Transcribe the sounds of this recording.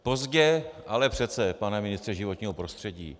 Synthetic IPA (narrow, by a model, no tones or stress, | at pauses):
po̞zɟɛʔalɛpr̝̥ɛt̪t͡sɛpanɛmɪnɪst̪r̥ɛʒɪvo̞t̪ɲiːɦopɾo̞st̪r̥ɛɟḭː